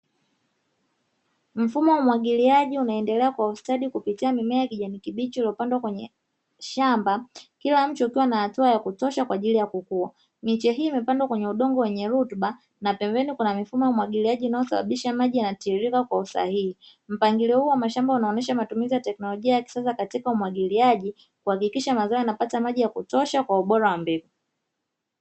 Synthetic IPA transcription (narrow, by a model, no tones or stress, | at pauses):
m̩fumɔwamwaɠiliaʄiunaɛndɛlɛakwaustaɗikupitiamimɛakiʄanikiɓit͡ʃiiliɔpandwakwɛɲɛ | ʃambakilam̩t͡ʃiukiwanahatuajakutɔʃakwaʄilijakukua̰ | mit͡ʃɛɦiːmɛpandwakwɛɲɛuɗɔŋɡɔwɛɲɛɾutɓa | napɛmbɛnikunamifumɔjaumwaɠiliaʄiːnajɔsaɓa̰ɓiʃamaʄijanatiːɾikakwausa̰hihi | m̩paŋɡilihuːwamaʃambaunaɔnɛʃamatumizijatɛknɔlɔʄiajaki̥sasakatikaumwaɠiliaʄi | kuhakikiʃamazɔɔanapatamaʄijakutɔʃakwauɓɔɾawambiɡu